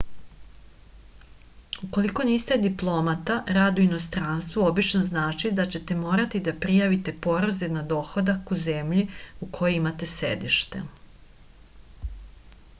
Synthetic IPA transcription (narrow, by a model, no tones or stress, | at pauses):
uko̞liko̞niːst̪e̞d̪iplˠo̞mat̪aɾaːd̪uino̞st̪ɾanst̪ʋuo̞bit͡ʃnoznaːt͡ʃid̪at͡ɕe̞t̪e̞mo̞ːɾat̪id̪apɾijaʋit̪e̞po̞ɾozenad̪o̞ːxod̪akuze̞mʎiukʰo̞joimat̪e̞sḛd̪iʃt̪e̞̰